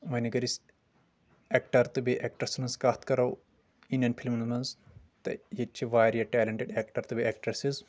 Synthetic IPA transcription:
ʋɐniɡɐɾis | ekʈɐɾt̪ɨbiʔek̚ʈɐsmɐnzkɐt̪ʰkɐɾɐw | inɐnpʰilmnmɐnz | t̪ɐ̰jet͡ʃʰiʋaːɾijɐʈɛːlɐɳʈeɖeːkʈɐɾt̪ɨbieːkʈɐsiz

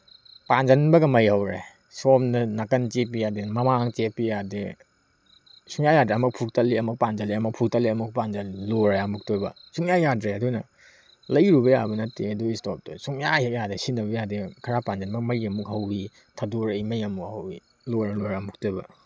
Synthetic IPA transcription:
pand͡ʒɐnbɐɡɐmɐjhɐwɾḛ | somnɐnakɐnt͡ʃepːijademɐmaŋt͡ʃepijade | suŋjajadɾeɐmɐk̚pʰuk̚tɐlːiɐmɐk̚pand͡ʒɐliɐmɐk̚pʰuk̚tɐlːiɐmuk̚pand͡ʒɐlloɾaamuk̚tobɐ̰suŋjajadɾeɐdunɐ | lɐjɾubɐja̰bɐnɐtːeɐduistop̚tɐ̰suŋjahek̚jadesinːɐbɐjadekʰɐɾapand͡ʒɐnbɐɡmɐɾiɐmukɦɐwi | tʰɐduɾɐjmɐjɐmukhɐwi | loɾɐloɾamuk̚tobɐ̰

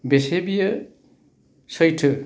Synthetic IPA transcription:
besebijʌ | sʌjʈʰɯ

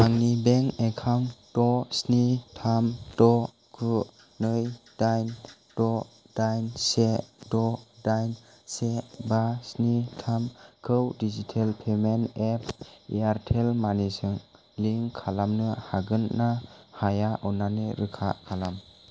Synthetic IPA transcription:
aŋnibeŋekʰamtɔsnitʰamtɔ | kʰu | nɯjdajntɔ | d̥ajnsetɔdajn | sebasnitʰamkʰɯwdid͡ʒitʰelpʰemenep̚ʰiaɾtʰelmanisɯŋ | liŋkʰalamnɯhaɡɯnnahajaʔɯnanɯɾɯkʰa̰kʰalam

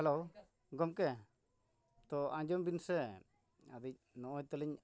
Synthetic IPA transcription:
hɛlo | ɡɔmkɛ | t̪ɔãɲd͡ʒɔmbinsɛ | a̰d̪ic̚nɔʔɔjt̪ɛlɛɲ

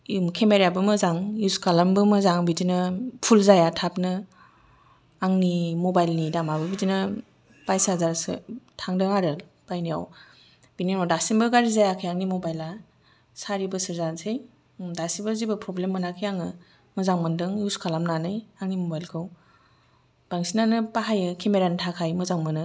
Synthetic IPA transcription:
mkʰemeɾabɯmɯzaŋuskʰalambɯmɯzaŋbidinɯpʰulzajatʰap̚nɯ | aŋnimɔbajlnidamabɯbidinɯ | b̥ajsaazaɾsɯ̰tʰaŋdɯŋaɾɯ | b̥ajnija̰w | b̥ininɔdasimbɯɡaɾizajakʰɯjaŋnimobajla | saɾibɯsɯɾzansʰej | dasibɯzibɯpʰɾɔblemːɯnakʰɯjaŋɯ | mɯzaŋmɯndɯŋjuskʰalamnanɯjaŋnimobajlkʰɯw | b̥aŋsinanɯpaɦajɯkʰemeɾanɯtʰakʰajmɯzaŋmɯnɯ

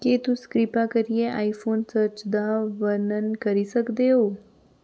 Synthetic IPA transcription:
ket̪ũskɾipakəɾijeʔaifonsəɾt͡ʃd̪aʋənənkəɾisəkd̪eo

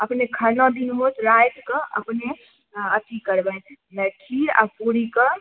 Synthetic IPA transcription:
əpnekʰəɾnɔd̪inmot̪ɾajʈ̪kəʔə̰pne | ət̪ikəɾbɛt̪ | nəʈʰːiɾa̰puɾikə

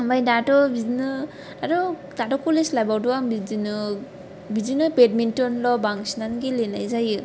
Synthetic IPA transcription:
ambajdatɔbizinɯ | aɾɔ | datɔkuleslajbawduambizinɯ | bizinɯped̚mintɔnlɔbaŋsnanɡilena̰jzajɯ

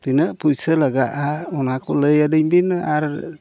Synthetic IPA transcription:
t̪inəʔpujsəlaɡaʔaɔnakʰɔləjadɯjbinaɾ

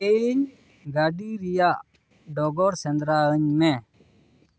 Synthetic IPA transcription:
ɛiɲ | ɡaɖiɾijaʔ | ɖɔɡɔɾsɛnd̪ɾaəɲmɛ

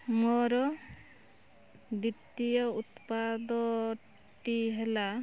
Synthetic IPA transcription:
mɔɾɔ | d̪it̪ijɔut̪pad̪ɔ | ʈiɦela

